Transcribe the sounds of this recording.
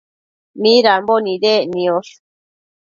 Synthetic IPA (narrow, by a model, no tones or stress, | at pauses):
mĩɾambonĩðenĩoʂ